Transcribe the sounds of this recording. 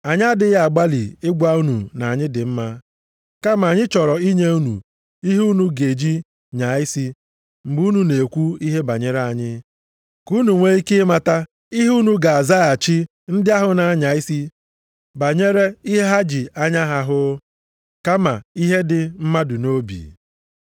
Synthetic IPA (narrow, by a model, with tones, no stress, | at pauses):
a˨ɲ˦a˦dɪ˦ɣa˨ɡ͡ba˦lḭ˨ɪ˦ɡʷa˦u˦nṵ˨na˨ɲɪ˦dɪ˨m̩˦ma˦ | ka˦ma˨ɲɪ˦t͡ʃɔ˨ɾɔ˨i˦ɲe˦u˦nṵ˨ | i˦ɦu˦nu˦ɡe˨d͡ʒi˦ | ɲa˨ɪ˦si˦ | m̩˨ɡ͡bu˨˦nu˦ne˨kʷu˦i˦ɦe˦ba̰˨ɲe˦ɾe˦a˨ɲɪ˦ | ku˦nu˨ŋʷe˦i˦ke˦ma˦ta˦ | i˦ɦu˦nu˦ɡa˨a˨za˦a˨t͡ʃi˦ | n̩˦dɪ˦a˦ɦʊ˨na˨˦ɲa˨i˦si˦ | ba˨ɲe˦ɾe˦i˦ɦe˦ɦa˦d͡ʒi˨a˦ɲa˦ɦa˨ɦʊ˦ | ka˦ma˨i˦ɦe˦dɪ˨m̩˦ma˦dʊ˨no˦bḭ˨